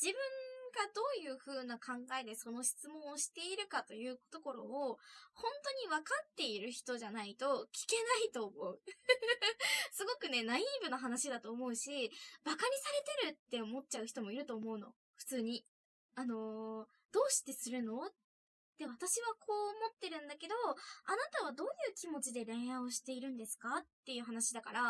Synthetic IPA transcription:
d͡ʑ̥ibɯ̟̃ŋɡad̪o̞ːjɯ̟ːɸɯ̟ːnakʰãŋɡae̞t̪e̞so̞no̞ɕi̥t͡sɨmõ̞oɕi̥t̪e̞iɾɯ̟kat̪o̞jɯ̟ːko̥t̪o̞ko̞ɾo̞̰ːhõ̞nt̪o̞ɲ̟iβakat̪ːe̞iɾɯ̟çi̥t̪o̞ʑanait̪o̞kʲi̥ke̞nait̪o̞ːmo̞ɯ̟ | sɨɡo̞kɯ̟ne̞naimbɯ̟naɦanaɕid̪at̪o̞ːmo̞ɯ̟ɕibakaɾʲisaɾe̞t̪e̞ɾɯ̟t̪ːe̞omo̞t̚t͡ɕaɯ̟çi̥t̪o̞mo̞iɾɯ̟t̪o̞ːmo̞ɯ̟no̞̰ | ɸɯ̟̥t͡sɨːɲ̟i | ano̞ | d̪̥o̞ːɕi̥t̪e̞sɨɾɯ̟no̞ː | e̞βat̪aɕiβ̞akʰo̞ːmo̞t̪ːe̞ɾɯ̟̃nd̪ake̞d̪o̞anat̪aβ̞ad̪o̞ːjɯ̟ːkʲimo̞t͡ɕid̪e̞ɾẽ̞ɰãoɕi̥t̪e̞iɾɯ̟̃nd̪e̞sɨ̥kat̪ːe̞jɯ̟ːɦanaɕid̪akaɾa

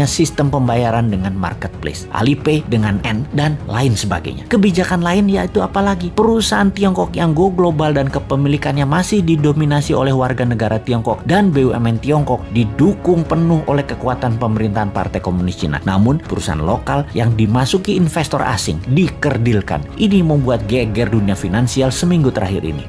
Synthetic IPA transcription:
asist̪əmpəmbajaɾandəŋanma̰rkət̪̚plḛsʔa̰lipedəŋanɛndanla̰ɪnsəba̰ɡa̰ɲa̰kəbid͡ʒakanlaɪnjait̪uapalaɡipəɾusaant̪iɔŋkɔkjaŋɡoɡlobaldankəpəmilikanɲamasɪhdidominasio̰lɛhwarɡanəɡaɾat̪iɔŋkɔk̚danbeuɛ̰mɛnt̪iɔŋkɔk̚didukʊŋpənʊhʔo̰lɛhkəkuat̪anpəməɾint̪aanpa̰rt̪ajkomunist̪ḭna̰na̰mʊnpəɾusa̰ɦa̰nlo̰kaljaŋdimasukiːnfɛst̪ɔrʔa̰sɪ̰ŋdikərdilka̰nʔiniməmbuat̪̚ɡɛɡɛrduniafinansialsəmiŋɡut̪əɾa̰ɦḭɾḭnḭ

